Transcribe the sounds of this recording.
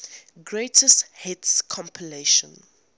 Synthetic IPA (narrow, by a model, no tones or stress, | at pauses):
ɡɹetʰəsthɛtskʰɔ̃mpʰileʃə̃n